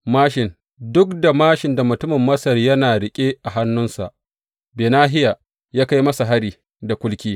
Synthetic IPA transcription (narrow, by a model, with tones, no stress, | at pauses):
maː˦ʃɪ˨n | dʊ˦kda˨maː˦ʃɪ˨nda˨mʊ˨tʊ˦mɪ˨mːɐ˦sɐ˨rjɐ˦naː˨ɽɪ˨kʲʼe˦ʔa˨ɦa˦nːʊ˦nsa̰˨ʔ | beː˨naː˦ɦɪ˦ja˨ | jaː˦ka˦jmɐ˦sa˨ɦa˦ɽiː˨ | da˨kʷʊ˦lkʲiː˦